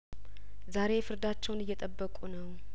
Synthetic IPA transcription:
zaɾe̞fɨɾd̪at͡ʃːɛwnɨjːɛt̪ʼəbːəkʼunəw

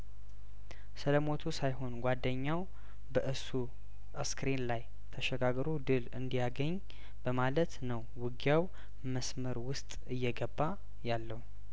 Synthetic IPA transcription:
sɨləmo̞t̪ʰusajɦo̞nɡʷad̪ːəɲːaw | bəʔɨsu | əskɾinlaj | t̪ʰəʃɛɡaɡəɾod̪ɨlɨ̰nd̪ijaɡəɲː | b̥əmalət̪nəwːɨɡjaw | məsməɾwʊst̪ʼɨjːɛɡəbːa | jalːəhu

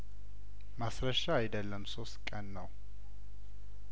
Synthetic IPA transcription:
masɾəʃaːjd̪əlːəmso̞st̪kʼənːəw

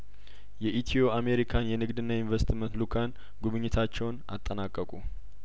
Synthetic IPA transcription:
jɛʔit̪ʰio̞ame̞ɾikʰanjɛnɨɡd̪ɨnːainvɛst̪mənt̪lukʰan | ɡuβɨɲːɪt̪ʰat͡ʃːɛwna̰t̪ʼːənakʼːəkʼu

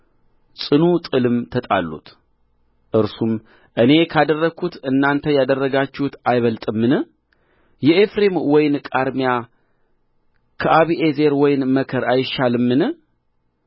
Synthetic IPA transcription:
sʼɨnut̪ʼɨlɨmt̪ʰət̪ʼa̰lːṵt̪ | ʔɨɾsum | ʔɨne̞kʰad̪ərːəɡʰut̪ɨnːant̪ʰəjad̪ərːəɡat͡ʃːɪhut̪ajβəlt̪ʼɨmːɨnɨ | jɛʔefɾemwɔjɪnkʼaɾmija | kʰəʔaβiʔeze̞ɾwɔjnməkʰəɾajɪʃalɨmːɨnɨ

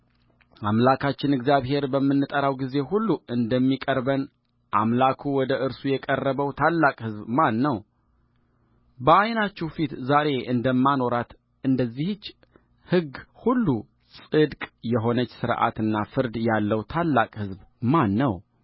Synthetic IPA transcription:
amlakʰat͡ʃːɪnɨɡzjaβhe̞ɾbəmːɨnːɨt̪ʼəɾawɡize̞hulːuʔɨnd̪əmːikʼəɾbən | ʔamlakʰuwɔd̪əʔɨɾsujɛkʼərːəβəwt̪ʰalːakʼhɨzbmanːəw | bəajnat͡ʃːɛhfit̪zaɾe̞ʔɨnd̪əmːano̞ɾat̪ | ɨnd̪əzːihɨt͡ʃː | hɨɡhulːu | sʼɨd̪kʼjɛɦo̞nət͡ʃːsɨɾʔa̰t̪ɨnːafɨɾd̪jalːəwt̪ʰalːakʼhɨzbmanːəw

